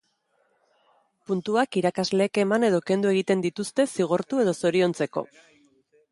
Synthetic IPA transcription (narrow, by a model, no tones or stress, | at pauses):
punt̪uakiɾakazle̞ːke̞mane̞ð̞o̞ke̞nd̪ue̞ɣ̞it̪e̞nd̪it̪ust̪e̞siɣ̞oɾt̪ue̞ð̞o̞so̞ɾio̞nt͡se̞ko̞̰